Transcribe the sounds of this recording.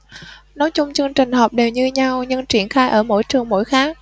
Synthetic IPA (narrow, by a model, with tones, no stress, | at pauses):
nɔ˨˦jt͡ɕʊ˧wŋ͡mt͡ɕɨ˧əŋt͡ɕï˨˩ŋ̟ɦɔ˨˩p̚ɗe˨˩wɲɨ˧ɲa˧wɲɨ˧ŋt͡ɕi˧˩ənxaː˧jʔəː˧˩mo̰˧˥jt͡ɕɨ˨˩əŋmo̰˧˥jxaː˦˥k̚